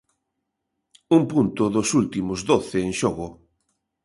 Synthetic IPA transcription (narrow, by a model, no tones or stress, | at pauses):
umpunt̪ʊðʊsult̪imʊzðoθeːŋʃoɣʊ